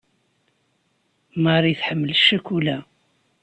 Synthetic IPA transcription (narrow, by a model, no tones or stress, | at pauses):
maɾˤiθħəmːəlʃːækːulæ